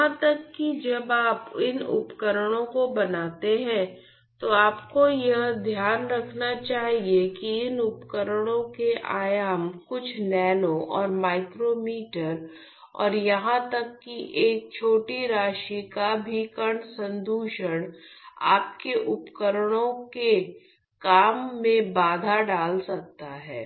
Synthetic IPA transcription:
jɦãt̪ɐkːid͡ʒɐbaːpɪnʊ̰pkəɾəɽ̃õkobɐnaːt̪eɦɛ̃ː | t̪oaːpkojɐɦd̪ʱjaːnɾɐkʰnat͡ʃaːɦiekiɪnʊpkəɾəɽ̃õkeʔa̰ːjaːmkʊt͡ʃʰnɛːnõʔɔːɾmaːɪkɾomiːʈəɾ | ɔ̰ːɾjɐɦãt̪ɐkːiʔeːk̚t͡ʃʰoːʈiɾaːʃikabʱiːkəɽsə̃nd̪uːʃəɽ̃aːp̚keʔʊpkəɾəɽ̃õke | kaːmːẽbaːd̪ʱaɖaːlsɐk̚t̪aɦɛ̰ː

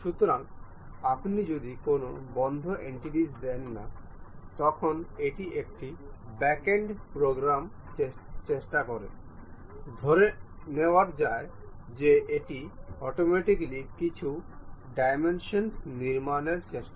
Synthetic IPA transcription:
ʃut̪oɾaŋ | apnid͡ʑod̪ikonobɔnd̪ʱoʔeɳʈiʈisd̪ɛnːa̰ | t̪ɔkʰoneʈiʔek̚ʈibɛkeɳɖpɾoɡɾam | et͡ɕeʃʈakɔɾḛ | d̪ʱoɾe | neoaɾd͡ʑae | d͡ʑeʔeʈiɔʈomɛʈiklikit͡ɕʰuɖajmenʃonniɾmaneɾt͡ɕeʃʈa

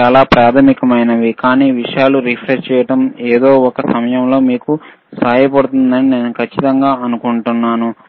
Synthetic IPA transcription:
t͡ʃaːlaːpɾaːt̪ʰɐmikɐmɐjnɐʋikaːniːʋiʂɐjaːluɾipʰɾeʂt͡ʃɛːjɐʈɐmeːd̪o̞ːɔkɐsɐmɐjɐmlo̞ːmiːku | saːjɐpɐɽut̪und̪ɐnine̞ːnukʰɐt͡ʃːit̪ɐŋɡaːɐnukuɳʈunːaːnu

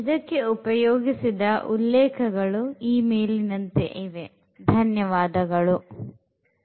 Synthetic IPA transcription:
id̪ɐkːe̞upɐjoːɡisid̪ɐʔulːɛːkʰɐɡɐɭuiːme̞ːlinɐnt̪ḛʔiʋe̞ | d̪ʱɐnjɐʋaːd̪ɐɡɐɭu

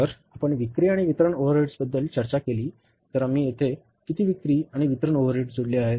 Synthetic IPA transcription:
əɾapəɳʋikɾiːaɽ̃iʋit̪ɾəɳoʋəɾeʈsbəd̪ːəlt͡ɕəɾt͡ɕakeliː | t̪əɾamiːjet̪ʰe | kit̪iːʋikɾiːaɽ̃iʋit̪ɾəɳoʋəɾeʈd͡zʱoɽliːaɦe

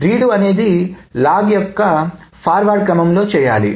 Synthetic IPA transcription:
ɾiːɽuɐne̞ːd̪ilaːɡjɔkːɐpʰaːɾʋaːɖ̚kɾɐmɐmlo̞ːt͡ʃɛːja̰ːlḭ

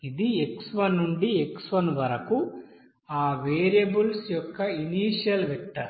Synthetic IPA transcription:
id̪ieksʋɐnːuɳɖieksʋɐnʋɐɾɐku | aːʋeːɾjɐbulsjɔkːɐiniːʂjɐlʋekʈːɐɾ

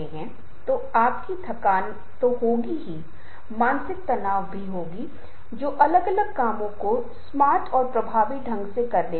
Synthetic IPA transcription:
eɦɛ̃ | t̪o | aːpkit̪ʰɐkaːn | t̪oɦoːɡiɦi | maːnsɪk̚t̪ɐnaːʋbʱiɦoːɡi | d͡ʒoːʔɐləɡɐləɡ̚kaːmõko | smaːɾʈʰɔːɾpɾɐbʱaːʋiɖʱɐ̃ŋɡsekɐɾle

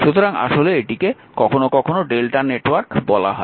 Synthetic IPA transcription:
ʃut̪oɾaŋa̰ʃoleeʈike | kɔkʰonokɔkʰonoɖelʈaneʈwaɾkbɔla̰ɦɔe

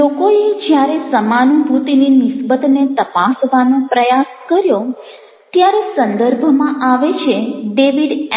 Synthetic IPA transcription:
lokoed͡ʒjaɾesəmanubʱut̪ininɪsbət̪net̪əpasʋanõpɾəjaskəɾjo | t̪jaɾesənd̪əɾbʱmãʔaʋet͡ʃʰeɖeʋiɖ

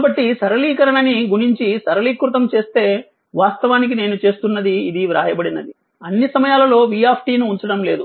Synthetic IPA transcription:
kːbɐʈːisɐɾɐliːkɐɾɐɳɐniɡuɽiɲt͡ʃisɐɾɐliːkɾut̪ɐmt͡ʃe̞ːst̪e̞ː | ʋaːst̪ɐʋaːnik̬ine̞ːnut͡ʃe̞ːst̪unːɐd̪iːd̪iɾa̰ːjɐbɐɽinɐd̪i | ɐnːisɐmɐjaːlɐlo̞ːʋiːaːpʰʈiːnuuɲt͡ʃɐɽɐmle̞ːd̪u

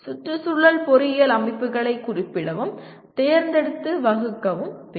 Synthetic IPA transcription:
sʊtːɯsʊɭːɐlpɔɾɪjɐlɐmɐɪpːɯɣɐɭɐɪkːʊrɪpːɪɽɐʋɯm | t̪eːɾnd̪ɛɽɯt̪ːɯʋɐɣɯkːɐʋɯmʋe

